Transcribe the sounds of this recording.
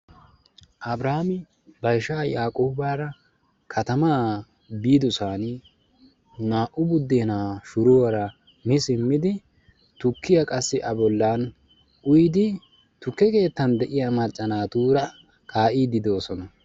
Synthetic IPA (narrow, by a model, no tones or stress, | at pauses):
ʔɐbɾaːmɪ | bɐjʃaːjaːkʼoːbaːɾɐ | kʰɐt̪ɐmaː | biːd̪ʊsaːn | naːʔʊbʊd̪ːeːnaːʃʊɾʊwɐɾɐ | mɪsɪmːɪd̪ɪ | t̪ʊkːɪjɐkʼɐsːɪʔɐbɔlːaːn | ʔʊjd̪ɪ | t̪ʊkːɛke̞ːt̪ːɐnd̪ɛʔɪjamɐt͡ʃʼːɐnaːt̪uːɾɐ | kʰaːʔiːd̪ɪd̪o̞ːsɔnɐ